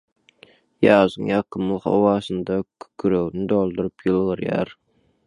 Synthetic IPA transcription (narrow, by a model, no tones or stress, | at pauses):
jɑːzɯŋjɑqʰɯmulˠχo̰wɑːsɨnd̪ɑkʰy̥kʰyɾøwnid̪olˠd̪uɾɯpjɨlˠʁɯɾjɑ̰ɾ